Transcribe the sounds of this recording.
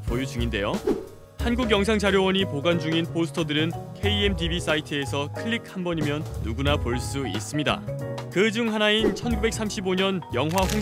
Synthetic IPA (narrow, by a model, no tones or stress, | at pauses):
pojut͡ɕuŋinde̞jo | hanɡuɡjʌŋs̬ʰaŋd͡ʑaɾjowʌɲipoɡand͡ʑuŋinpʰosʰɯ̥tʰʌdɯɾɯnkʰe̞ie̞mtibis͈aitʰɯe̞sʰʌkʰɯʎːik̚ʰhambʌɲimjʌnːuɡunapoɭs͈uḭs͈ɯmɲida̰kɯd͡ʑuŋɦanaint͡ɕʰʌnɡube̞k̚s͈ʰamɕʰiboɲʌnjʌŋɦwaɸoŋ